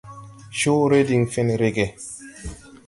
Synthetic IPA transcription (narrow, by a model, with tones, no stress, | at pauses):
ʃo˦ɾe˦di˨ŋfe˦nɾe˦ɡe˨